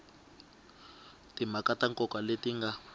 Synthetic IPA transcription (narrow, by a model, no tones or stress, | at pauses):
timakataŋkʼɔkaletiŋɡa